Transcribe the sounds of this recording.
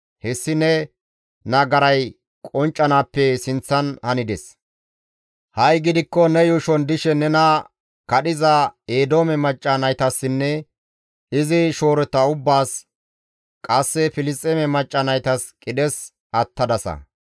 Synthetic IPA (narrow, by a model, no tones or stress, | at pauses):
hɛsːɪnɛ | nɐɡɐɾɐj | kʼɔnt͡ʃʼːɐnaːpːɛsɪnt͡sːɐnhɐnɪd̪ɛs | hɐjɡɪd̪ɪkːɔnɛjuʃɔnd̪ɪʃɛnɛnɐ | kɐɗɪzɐeːd̪o̞ːmɛmɐt͡ʃʼːɐnɐjt̪ɐsːɪnːɛ | ɪzɪʃo̞ːɾɛt̪ːɐʊbːaːs | kʼɐsːɛfɪlɪst̪ʼɛmɛmɐt͡ʃʼːɐnɐjt̪ɐskʼɪd̪ɛs | ɐt̪ːɐd̪ɐsɐ̰